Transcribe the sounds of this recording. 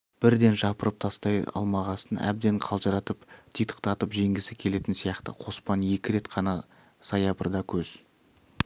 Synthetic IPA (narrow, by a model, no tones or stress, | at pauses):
b̥ɪɾd̪e̞nʒɑpəɾəp̚t̪ʰɑst̪ɑjɑ̰lˠmɑʁɑsənæ̰b̚d̪e̞ɴqʰɑlˠʒɑɾɑt̪əpt̪ʰijt̪ə̥qt̪ɑt̪əpʒe̞ŋɡʲɪsɪkʲʰe̞le̞t̪ɪnsijɑqt̪ə̰qʰo̞spɑnje̞kʲɪɾe̞t̪qʰɑnɑ | sɑjɑbə̰ɾd̪ɑkʲʰɵz̥